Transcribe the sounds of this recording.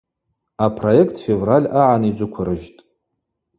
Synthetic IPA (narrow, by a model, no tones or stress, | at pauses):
apʰro̞jekʰtʰfe̞vralʲaʕanid͡ʒʷʊkʷʰʊɾɨʒtʼ